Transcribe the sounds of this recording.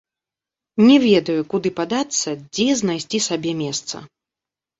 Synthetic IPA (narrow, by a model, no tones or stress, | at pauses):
nʲɛvʲɛd̪ɐjukud̪ɨpad̪at̪sːɐd͡zʲɛznajsʲt͡sʲisabʲɛmʲɛst̪sɐ̰